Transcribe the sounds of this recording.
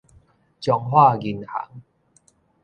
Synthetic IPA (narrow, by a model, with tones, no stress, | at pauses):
t͡ɕjɔ˨˧ŋhwa˥˧ɡi˨nha̰˨˦ŋ